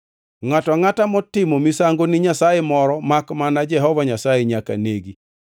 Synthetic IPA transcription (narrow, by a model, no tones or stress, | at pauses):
ŋatɔŋatamɔtɪmomisaŋɡonɪɲasajemɔɾɔmakmanad͡ʒɛɦɔvaɲasajeɲaka̰neɡi